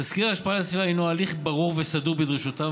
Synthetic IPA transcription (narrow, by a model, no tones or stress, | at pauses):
askiʁaːʃpaalasvivajnualiχbaʁuʁvesaduʁbed̪ʁiʃut̪a